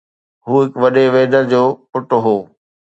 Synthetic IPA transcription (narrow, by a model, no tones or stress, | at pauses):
ɦuːɦɪkʋɐɗeʋeːd̪əɽd͡ʑoːpʊʈoɦoː